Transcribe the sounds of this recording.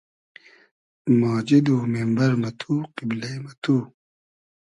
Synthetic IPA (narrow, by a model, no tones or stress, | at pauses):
maːd͡ʑid̪uːmembɐɾmɐt̪ʰuːqiblejmɐt̪uː